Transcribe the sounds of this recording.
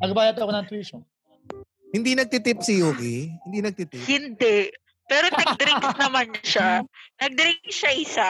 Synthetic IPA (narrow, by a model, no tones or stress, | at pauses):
nɐɡbaːjɐt̪ɐkonɐŋt̪wiʃo | hɪnd̪inɐɡ̚t̪ɪt̪ɪp̚sɪjoːkihɪnd̪inɐɡ̚t̪ɪt̪ɪhɪnd̪ɛʔ | pɛːɾoɐd̪ɪɾɪkk̚nɐmanʃanɐɡ̚d̪ɾɪŋkʃaʔɪsa